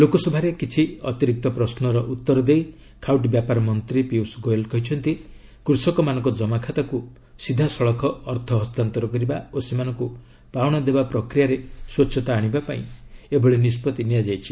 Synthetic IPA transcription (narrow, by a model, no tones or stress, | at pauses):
lokɔsɔbʱaɾekit͡ʃʰiɔt̪iɾik̚t̪ɔpɾɔsnɔɾɔʔut̪ːɔɾɔd̪ej | kʰawʈbjapaɾɔmɔnt̪ɾipiwsɡoelkɔɦit͡ʃʰɔnt̪i | kɾusɔkɔmanɔ̃ŋkɔd͡ʒɔmakʰat̪aku | sid̪ʱasɔɭɔkʰɔːɾt̪ʰɔɦɔst̪ant̪ɔɾɔkɔɾibaosemanɔ̃ŋku | pawɽ̃ɔd̪ebapɾɔkɾijaɾeswɔt͡ʃʰɔt̪aːɽ̃ibapaĩebɔɭenispɔt̪inijad͡ʒajt͡ʃʰi